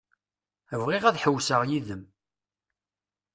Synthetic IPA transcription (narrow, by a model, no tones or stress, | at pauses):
əvʁiʁæðħəwːsəʁjiðəm